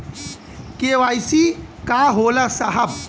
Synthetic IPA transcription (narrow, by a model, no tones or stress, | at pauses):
keʋajsikaːɦolasɐɦɐb̚